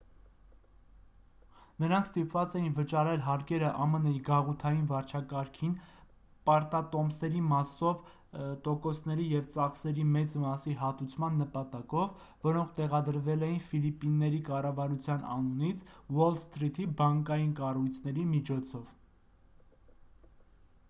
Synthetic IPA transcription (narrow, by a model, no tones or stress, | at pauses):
nəɾɑŋkʰst̪ipvɑt͡sɛjinvət͡ʃɑɾɛlɦɑɾkɛɾəʔɑmənɛjiɡɑʁut̪ʰɑjinvɑɾt͡ʃʰɑkɑɾkʰin | pɑɾt̪ɑt̪ɔmsɛɾimɑsɔv | t̪ɔkɔsnɛɾijɛvt͡sɑχsɛɾimɛt͡smɑsiɦɑt̪ut͡sʰmɑnːəpɑt̪ɑkɔvː | ɔɾɔŋkʰt̪ɛʁɑd̪əɾvɛlɛjinfilipːinːɛɾikɑrɑvɑɾut͡sʰjɑnʔɑ̰nunit͡sʰwɔlst̪ɾit̪ʰibɑŋkɑjinkɑrujt͡sʰnɛɾimit͡ʃʰɔt͡sʰɔv̥